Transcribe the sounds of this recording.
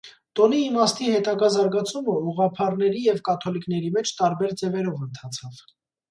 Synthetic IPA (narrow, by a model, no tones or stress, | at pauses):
t̪ɔniːmɑst̪ihɛt̪ɑɡɑzɑɾɡɑt͡sʰuməuʁɑpʰɑrnɛɾijɛvkɑt̪ʰɔlikn̪ɛɾimɛt͡ʃʰt̪ɑɾbɛɾd͡zɛvɛɾɔvənt̪ʰɑt͡sʰɑv̥